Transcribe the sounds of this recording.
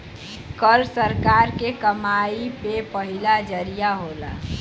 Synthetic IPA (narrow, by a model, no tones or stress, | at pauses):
kəɾsəɾkaɾkekəmaipepəɦilad͡ʒəɾijaɦola̰